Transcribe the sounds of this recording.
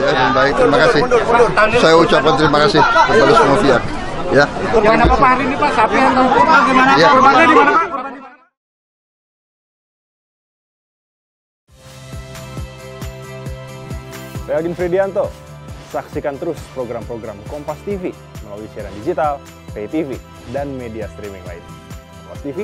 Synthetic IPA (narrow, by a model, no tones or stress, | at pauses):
it̪adaŋbaɪk̚t̪əɾimakasɪut̪asajaut͡ʃap̚kant̪əɾimakasɪhsapalusamofiak̚jajakənapaaaɾinipasapiant̪amomaɡimanajamaaɡimana | raalɡɪnfɾidiant̪osaksikant̪əɾʊspɾoɡɾampɾoɡɾamkɔmpast̪ifi | məlawisiaɾandid͡ʒit̪al | pet̪ifi | danmediast̪ɾimiŋla̰ḭnkɔmpast̪ifi